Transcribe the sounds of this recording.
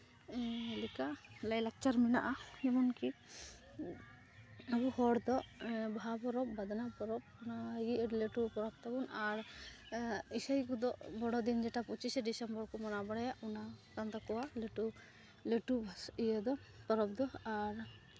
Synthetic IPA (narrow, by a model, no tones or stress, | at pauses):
likalajlɛk̚t͡ʃaɾminaʔaɛmɔnki | abuhɔɽd̪ɔʔbʱapɔɾɔp̚bad̪anapɔɾɔp̚ | unaɡiʔleʈupɔɾɔp̚t̪abunaɾ | isajkud̪ɔʔbɔɽɔd̪ind͡ʒɛʈaput͡ʃisɛɖisɛmbɔɾkɔmanabɔɽɛjaunat̪and̪akɔwaleʈu | leʈubʱasijəd̪ɔ | pɔɾɔp̚d̪ɔaɾ